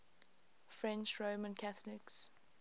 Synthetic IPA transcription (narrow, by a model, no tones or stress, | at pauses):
fɹɛ̃nt͡ʃɹoʊmə̃nkʰaθəlɪks